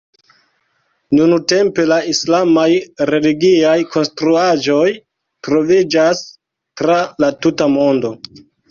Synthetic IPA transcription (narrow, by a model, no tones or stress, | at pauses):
nunute̞mpe̞laislamajɾe̞liɡiajkʰo̞nstɾuad͡ʒo̞j | tɾo̞vid͡ʒas | tɾalatutamo̞ndo̞